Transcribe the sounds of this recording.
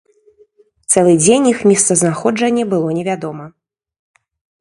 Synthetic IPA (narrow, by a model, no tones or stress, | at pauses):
t̪sɛlˠɨd͡zʲenʲixmʲist̪sɐznaxɔd͡ʐɐnʲːɐbɨlˠɔnʲɛvʲad̪ɔmɐ